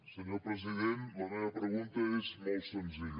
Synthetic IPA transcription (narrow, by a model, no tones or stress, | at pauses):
səɲopɾəziðenləmeβəpɾəɣunt̪əezmolˠt̪sənziʎə